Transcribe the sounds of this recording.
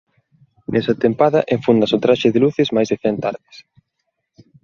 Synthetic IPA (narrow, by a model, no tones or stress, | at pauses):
nʔɛsɐt̪empaðɐʔeɱfund̪ɐsot̪ɾaʃɪðeluθezmajzðeθɛnt̪aɾðɪs